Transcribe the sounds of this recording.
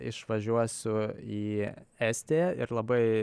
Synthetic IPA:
ɪ̰ʃʋɐʒʲuɔsʲʊiːɛːsʲt̪ʲeːjɛɪɾlˠɐbɐɪ

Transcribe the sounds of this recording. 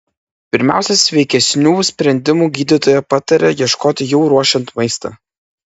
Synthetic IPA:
pʲɪɾʲmʲæ̰ˑʊsʲɛsʲʋʲɛɪkʲɛsʲnʲuːsʲpʲɾʲɛnʲd̪ʲɪmuːɡʲiːd̪ʲɪt̪oːjɛpɑt̪ɐɾʲɛjiɛʃkoːt̪ʲɪjɛʊɾuɔʃʲɛnt̪mɐɪst̪ɐ̰ː

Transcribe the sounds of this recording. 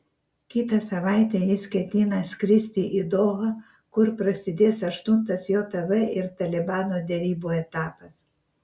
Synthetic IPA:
kʲit̪ɐsɐʋajt̪ʲɛɪskʲɛt̪ʲinɐskɾʲɪsʲt̪ʲiʔid̪oːɣɐ | kʊɾpɾɐsʲɪd̪ʲeːsɐʃt̪ʊnt̪ɐsjot̪ɐvɛʔɪɾt̪ɐlʲɛbaːnod̪ʲɛɾʲiːboɛt̪aːpɐs

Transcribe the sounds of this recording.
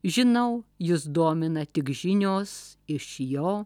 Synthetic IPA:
ʒʲɪnɐʊjɪsd̪oːmʲɪnɐt̪ʲɪkʒʲɪnʲoːsɪʃjoː

